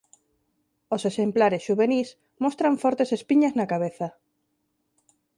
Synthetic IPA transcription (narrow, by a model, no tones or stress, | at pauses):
osesemplaɾesʃuβenis | most̪ɾaɱfɔɾt̪esespiɲaznakaβ̞eθa